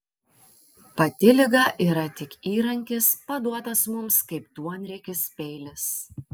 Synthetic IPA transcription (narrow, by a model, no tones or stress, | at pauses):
pɐt̪ʲɪlʲɪɡɑːʔiːɾɐt̪ʲɪkiːɾɐŋʲkʲɪspɐd̪uɔt̪ɐsmʊmskɐɪpt̪uɔnʲɾʲɛkʲɪspʲɛɪlʲɪs